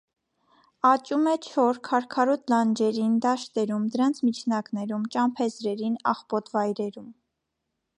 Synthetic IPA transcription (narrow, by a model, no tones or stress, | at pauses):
ɑt͡ʃumɛt͡ʃʰɔɾkʰɑɾkʰɑɾut̪lɑnd͡ʒɛɾind̪ɑʃt̪ɛɾumd̪əɾɑnt͡sʰmit͡ʃʰnɑknɛɾumt͡ʃɑmpʰɛzɾɛɾinɑ̰χpɔt̪vɑjɾɛɾum